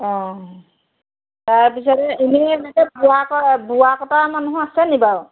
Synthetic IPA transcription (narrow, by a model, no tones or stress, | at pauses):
ɔ̃ | taɹpisɔtɛimiɛnɛkɛbuakɔbuwakɔtamanuɦɔ̃asɛnibaɹ